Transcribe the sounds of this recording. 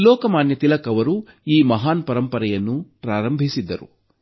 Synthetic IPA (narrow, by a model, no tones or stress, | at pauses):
lɔːkɐmaːnjɐt̪ilɐkɐʋɐɾu | iːmɐɦaːnpɐɾɐmpɐɾɐjɐnːupɾaːɾɐmbʱisid̪ːɐɾṵ